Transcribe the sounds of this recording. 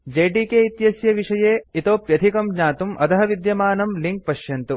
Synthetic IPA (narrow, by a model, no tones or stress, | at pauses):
d͡ʒeːɖiːkeːit̪jɐsjɐʋiʂɐjeːit̪oːpjɐt̪ʰikɐmɲaːt̪umʔɐt̪ɐɦɐʋid̪jɐmaːnɐmliŋk̚pɐʃjɐnt̪u